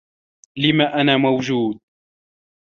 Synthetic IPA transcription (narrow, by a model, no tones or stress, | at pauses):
lɪmaːʔanaːmawd͡ʒuːd̪̚